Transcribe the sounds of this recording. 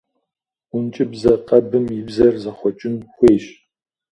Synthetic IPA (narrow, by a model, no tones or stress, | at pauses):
ʊnt͡ʃʼɪbzɐqɐbɨmjɪbzɐrzɐχʷɔt͡ʃʼɪnxʷeːɕ